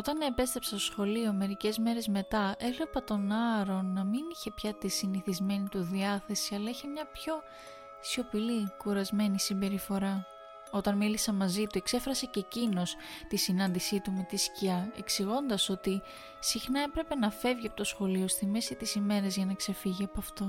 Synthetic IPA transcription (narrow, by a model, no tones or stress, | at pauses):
o̞t̪ɐnːɐepe̞st̪ɾe̞psɐst̪o̥sxo̞lio̞me̞ɾice̞zme̞ɾe̞zme̞t̪ɐʔe̞vlepɐt̪o̞nɐɾo̞nːɐminiçe̞pçɐt̪isiniθizme̞nit̪uðiɐθe̞siɐlɐiçemɲɐpço̞ | isio̞pilikuɾɐzme̞nisimbe̞ɾifo̞ɾɐ | o̞t̪ɐnmilisɐmɐzit̪ue̞kse̞fɾɐsece̞cino̞s | t̪isinɐnd̪isit̪ume̞t̪isciɐe̞̰ksiɣo̞nd̪ɐso̞t̪i | sixnɐe̞pɾe̞pe̞nɐfe̞vʝiɐpot̪o̞sxo̞lio̞st̪ime̞sit̪isime̞ɾɐzʝɐnɐkse̞fiʝiɐpoɐft̪o